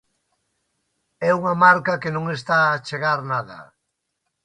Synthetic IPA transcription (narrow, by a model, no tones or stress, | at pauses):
ɛuŋamaɾkakenõŋest̪aːt͡ʃeɣaɾnaðɐ̰